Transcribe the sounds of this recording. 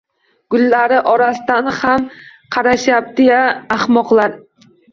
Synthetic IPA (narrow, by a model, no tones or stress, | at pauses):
ɡ̥ʊlːaɾɪʔɒɾasɪd̪anhamqʰɑɾaʃjap̚d̪ejaːhmɒqlˠaɾ